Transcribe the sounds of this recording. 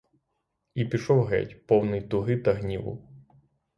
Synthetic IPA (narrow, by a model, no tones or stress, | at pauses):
ipʲiʃɔwɦɛ̰tʲpɔwnɪjt̪ʊɦɪt̪ɐɦnʲiʋʊ̰